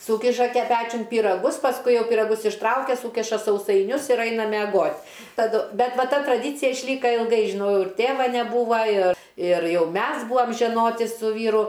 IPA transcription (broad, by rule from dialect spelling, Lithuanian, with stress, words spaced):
ˈsuːkʲɪʃɐ ˈpʲæːt͡ʃʲʊn pʲiːrɐˈɡʊs pɐsˈkʊɪ ˈjɛʊ pʲɪrɐˈɡʊs ɪʃˈtrɐʊkʲɛ ˈsuːkʲɪʃɐ sɐʊsɐɪˈnʲʊs ɪr ˈɐɪnɐ mʲɛˈɡoːtʲ tɐˈdʊ ˈbʲɛt ˈʋɐ ˈtɐ trɐˈdʲiːt͡sʲɪjɛ ɪʃʲˈlʲiːkɐ ɪlˠˈɡɐɪ ʒʲɪˈnɐʊ ɪr ˈtʲeːʋɐ nʲɛˈbuːʋɐ ɪr ɪr ˈjɛʊ ˈmʲɛs ˈbuːʋɐm ʒʲɛˈnoːtʲɪ sʊ ˈʋʲiːrʊ